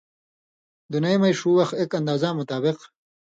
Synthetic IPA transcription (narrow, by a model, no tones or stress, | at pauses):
d̪unɐjmɐjʂuwɐxekɐnd̪aːzamʊt̪aːbɪq